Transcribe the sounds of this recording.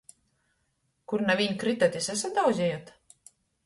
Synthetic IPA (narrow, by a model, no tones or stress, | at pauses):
kuɾnavʲiɲkɾit̪at̪ʲisæs̬at̪d̪awzʲɛjot̪